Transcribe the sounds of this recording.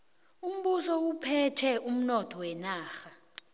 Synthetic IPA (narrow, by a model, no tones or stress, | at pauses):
um̩ɓusɔwupʰɛtʰɛum̩nɔtʰɔwɛnaːxa